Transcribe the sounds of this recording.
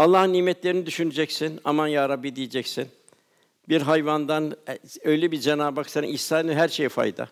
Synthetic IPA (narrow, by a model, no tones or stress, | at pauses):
alˠːaːɦɯnːiːmɛt̪ʰlʲe̞ɾinid̪yʃynyd͡ʒɛcsina̰manjaːɾabːid̪ijed͡ʒɛcsin | biɾɦajvand̪anøjlʲɛbiɾd͡ʒenaːbaksaɾɯ̰niçsaːnnɦæɾʃejifa̰jd̪a̰